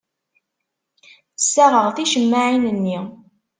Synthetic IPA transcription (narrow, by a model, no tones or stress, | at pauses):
θə̥sːæʁəʁθiʃəmːaʕinənːi